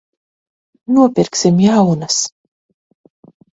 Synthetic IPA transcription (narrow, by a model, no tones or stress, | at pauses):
nuɔpʲiɾksimjawnas